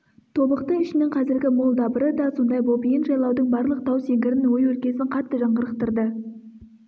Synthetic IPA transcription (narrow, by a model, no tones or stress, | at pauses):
t̪ʰo̞bəqt̪əɪʃɪnɪŋqʰɑzɪɾɡʲɪmolˠd̪ɑbəɾəd̪ɑso̞nd̪ɑjbo̞pijɪnʒɑjlˠɑwd̪əɴbɑɾlˠəq̚t̪ʰɑwseŋɡʲɪɾɪnwo̞jwɵlkʲe̞sɪɴqʰɑt̪ːəʒɑɴʁəɾəq̚t̪əɾd̪ə